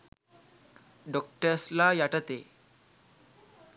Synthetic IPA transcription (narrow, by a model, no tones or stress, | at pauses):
ɖɔk̚ʈəɾslajaʈət̪e